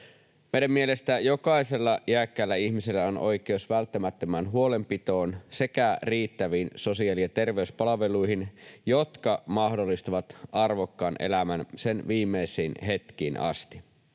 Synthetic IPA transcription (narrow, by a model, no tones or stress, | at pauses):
mejdæmːie̞lest̪æjo̞kɑise̞lːɑjiækːælːæiçmiselːæonʔo̞̰jkeusʋælt̪ːæmæt̪ːømænɦuo̞le̞mpit̪o̞ːnse̞kæriːt̪ːæʋiːnso̞siɑliɑt̪e̞rʋe̞yspɑlɑʋe̞luiɦinjo̞t̪kɑmɑhdolːist̪ɑʋɑt̪ʔɑrʋokːɑːnʔḛlæmænse̞nʋiːmːeisiːnɦe̞t̪kiːnʔɑ̰st̪i